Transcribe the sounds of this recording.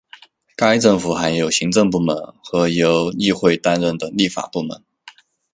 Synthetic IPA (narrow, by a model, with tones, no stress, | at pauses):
ka˥ɪʈ͡ʂɤ˥˩ŋfu˨˩xa˧˥njo˨˩ʊɕi˧˥ŋʈ͡ʂɤ˥˧ŋp̬u˥˩mə˧˥nxɤ˧˥jo˧˥ʊi˥˧xwe˥˩ɪt̪a˥nɻə˥˩nt̪ə˩ŋli˥˩fa̰˨˩pu˥˩mə̰˧˥n